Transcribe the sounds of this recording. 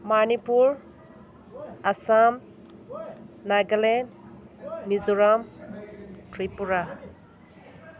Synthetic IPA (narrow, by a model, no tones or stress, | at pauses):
manipuɹ | asam | naɡalen | mizuɹam | tɹipuɹa